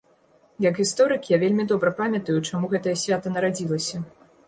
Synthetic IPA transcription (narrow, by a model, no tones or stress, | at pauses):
jɐkɣʲist̪ɔɾɨkjavʲelʲmʲid̪ɔbɾɐpamʲɐt̪ɐjut͡ʂamuɣɛt̪ɐjɐsʲvʲat̪ɐnɐɾad͡zʲilˠɐsʲɐ